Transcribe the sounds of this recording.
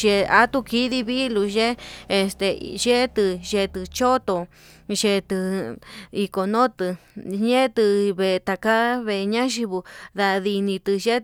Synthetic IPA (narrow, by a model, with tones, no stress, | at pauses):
ʒe˧a˦t̪u˧ki˦ði˦βi˦lu˧ʒe˦e˧st̪e˧ʒe˦t̪ɨ˧ʒe˧t̪ɨ˧t͡ʃo˦t̪o˧ | ʒe˧t̪ɨ˧ | i˧ko˨nõ˦t̪ɨ˧ɲẽ˦t̪ɨ˧βe˧t̪a˧ka˦βe˧ɲã˦ʒi˧βu˧ða˧ði˧nĩ˧t̪ɨ˧ʒe˦